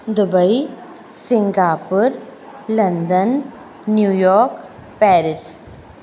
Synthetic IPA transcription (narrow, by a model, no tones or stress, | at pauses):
d̪ʊbəi | sɪ̃ŋɡaːpʊɾ | lɐnd̪ənː | juːjɔːɾk | pɛːɾɪs